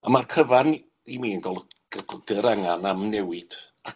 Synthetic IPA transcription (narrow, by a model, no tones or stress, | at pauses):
əmarkʰəvan | imiːənɡɔlˠɡ̥ɡ̥əɾaŋanamnɛwɪd̥ | a